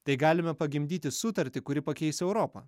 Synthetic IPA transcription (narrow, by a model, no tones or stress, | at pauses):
t̪ɐɪɡɑːlʲɪmʲɛpɐɡʲɪmʲd̪ʲiːt̪ʲɪsʊt̪ɐɾʲt̪ʲɪkʊɾʲɪpɐkʲɛɪsʲɛʊɾoːpɑ̰ː